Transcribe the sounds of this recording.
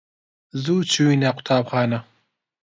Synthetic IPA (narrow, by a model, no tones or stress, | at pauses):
zuːt͡ʃʰuwinaqʰʷʊ̥t̪ʰaːbχaːnɐ